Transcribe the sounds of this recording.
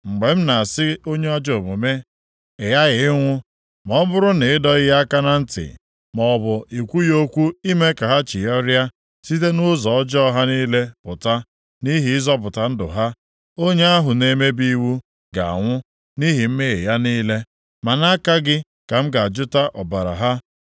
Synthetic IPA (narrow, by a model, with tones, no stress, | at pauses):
ŋ͡m̩˨ɡ͡be˨m̩˦na˨a˨sɪ˦o˦ɲe˦ɔ˦d͡ʒo˨bo˨me˦ | e˨ja˦ɣɪ˨˦ŋʷʊ˦ | mɔ˦bʊ˦ɾʊ˦ne˨ɪ˦dɔ˦ɣɪ˦ja˦ka˦na˦n̩˦tɪ̰˨ | mɔ˨bʊ˨i˨kʷu˦jo˦kʷu˦i˦me˦ka˨ɦa˦t͡ʃi˨jɔ˦ɾja˦ | si˦te˦nʊ˦zɔ˨ɔ˦d͡ʒɔ˦ɦa˦niː˦le˦pʊ˨ta˦ | ni˦ɦi˨ɪ˦zɔ˦p̬ʊ˨ta˦n̩˦dʊ̰˨ɦa˦ | o˦ɲe˦a˦ɦʊ˨ne˦me˦bi˦wu˦ | ɡa̰˨a̰˨ŋʷʊ˦ | ni˦ɦi˨m̩˦me˦ɣe˨ja˦niː˦le˦ | ma˨na˦ka˦ɡɪ˦ | ka˨m̩˦ɡa˨d͡ʒʊ˦ta˦ʔɔ˨ba˨ɾa̰˨ɦa˦